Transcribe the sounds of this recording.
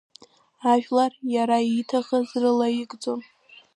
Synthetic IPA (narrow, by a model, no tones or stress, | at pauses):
aʒᶣlarjaɾaitʰaχazrɨlajiɡd͡zo̞n